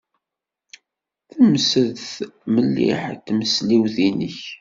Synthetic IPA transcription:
θəməsəðθməlːḭħt̪ːməsliwθinəç

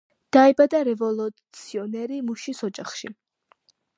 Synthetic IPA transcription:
d̪̥aɛbad̪aɾɛvɔlˠut̪sʰiɔnɛɾimuʃisɔd͡ʒaχʃḭ

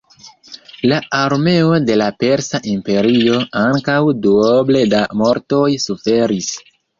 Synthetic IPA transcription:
laʔaɾme̞o̞de̞lape̞ɾsaʔimpe̞ɾio̞aŋkawduoble̞damo̞ɾto̞jsufe̞ɾis

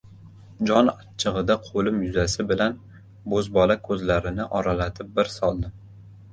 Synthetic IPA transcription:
d͡ʒɒnat͡ʃʰɨʁɨd̪aqʰolɪmjʊzasɪbɪlan | bozbɒlakʰɵzlaɾɪnɪʔɒɾalat̪ʰɪp̚bɪɾsɒlˠnɪ

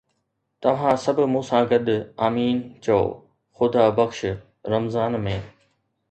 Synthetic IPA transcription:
t̪ɐʋ̤ãːsɐbʱmũːsãɡɐd̪ʱʊaːmiːnt͡ɕɐo̰ː | xʊd̪aːbɐxʃ | ɾɐmzaːnmẽː

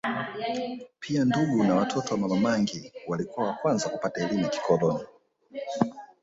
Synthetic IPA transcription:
pʰianduɡunawatʰɔtɔwamamamaŋɡiwalikuawakwanzakupataɛlimɛki̥kʰɔlɔna

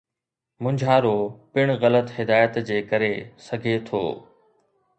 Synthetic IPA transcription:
mʊ̃ɲd͡ʑʱaːɾoːpɪɽ̃ɣɐlət̪ɦɪd̪aːjət̪d͡ʑeːkɐɾesɐɡʱet̪ʰo̰ː

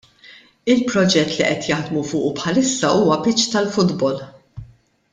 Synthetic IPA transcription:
ɪlpɾɔd͡ʒɛt̪ːliʔɛt̪jɐħd̪mufʊːʔupħɐlɪsːɐʔuːwɐpɪt͡ʃːt̪ɐlfʊd̪bɔl

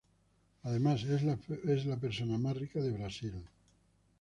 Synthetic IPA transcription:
aðe̞masezezlap̬eɾsonamasrikaðe̞βɾasil

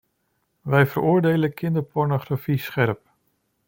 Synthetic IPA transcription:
ʋɛjvəɾʊːɹdejləkʰɪndəɹpɔɹnoχrafisχɛrp

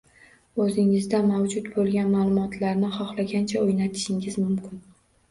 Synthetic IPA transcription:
ɵzɪŋɪzd̪amawd͡ʒʊt̪bolˠɡʲanmaːlˠʊmɒt̪ʰlaɾnɪχɒχlaɡʲant͡ʃʰaojnat̪ʰɪ̥ʃɪŋɪzmʊmkʲʰɪn

